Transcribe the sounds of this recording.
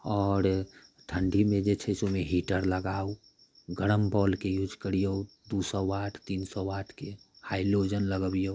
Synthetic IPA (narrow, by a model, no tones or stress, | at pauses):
ɔːɾ | ʈʰəɳɖimẽd͡ʒet͡ʃʰɛsomeɦiʈəɾləɡau | ɡəɽ̃əmbɔːlkejuːd͡ʒkəɾijo | d̪usɔʋaʈʰt̪insɔʋaʈʰkehaɪlod͡ʒənləɡəbijo